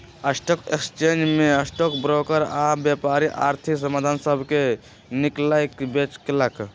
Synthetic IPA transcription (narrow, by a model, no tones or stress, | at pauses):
əsʈoːkekst͡ʃeːnd͡ʒmẽəsʈoːkbɾoːkəɾabjepaːɾiʔa̰ːɾt̪ʰiksəmaːd̪ʱansəbʱke | niklajkbet͡ʃkelək